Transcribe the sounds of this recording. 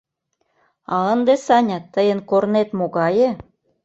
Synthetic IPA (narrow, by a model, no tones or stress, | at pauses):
ɑənd̪esɑnʲɑt̪ːəjə̆nkornet̪moɣɑjĕ